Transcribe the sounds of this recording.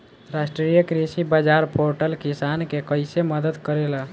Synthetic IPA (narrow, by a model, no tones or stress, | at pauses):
ɾasʈɾijəkɾisibad͡ʒaɾpʰoɾʈəlkisankekəjseməd̪əd̪kəɾelə